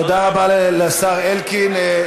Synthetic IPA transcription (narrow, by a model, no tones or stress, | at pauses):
od̪aʁabaleleasaʁelkine